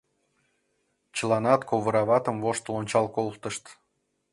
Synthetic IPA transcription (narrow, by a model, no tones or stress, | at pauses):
t͡ɕəlɑnɑt̪kʰoβəɾɑβɑt̪ə̆mvoʃt̪lonʲt͡ɕɑlˠkolˠt̪əʃt̪